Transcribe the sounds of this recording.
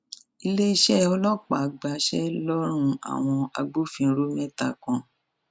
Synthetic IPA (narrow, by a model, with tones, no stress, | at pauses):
i˧le˦i˧ʃɛ˦ɔ˧lɔ˦k͡pa˨ɡ͡ba˨˦ʃɛ̰˦lɔ˦ɾ̃ũ˧a̰˨w̃ɔ̃˧a̰˧ɡ͡bo˦fĩ˧˦ɾo˦mɛ̃˦ta˧˨kɔ̃˧